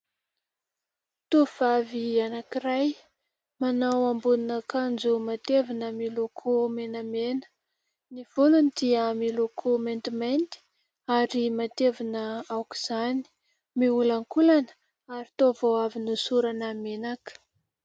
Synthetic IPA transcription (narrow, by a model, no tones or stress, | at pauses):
t̪uv̥avianakiɾaj | manawambuninakand͡zumat̪evinəmilokʰumenəmenə̥ | niv̥ulunid̪iamilokʰument̪iment̪i̥ | aɾimat̪evinəawki̥z̥ani̥ | miulaŋkulanə̥ | aɾit̪ovoavinusuɾanəmenakə̥